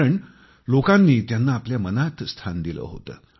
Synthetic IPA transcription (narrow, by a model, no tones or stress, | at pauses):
əɳ | lokanːiːt̪janːaːpljamənat̪st̪ʰand̪ilə̰ːɦo̰t̪ə̰ː